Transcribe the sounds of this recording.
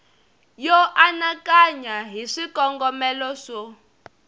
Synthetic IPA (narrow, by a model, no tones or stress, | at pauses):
jɔʔanakaɲaɦiʂikɔŋɡɔmɛlɔʂɔ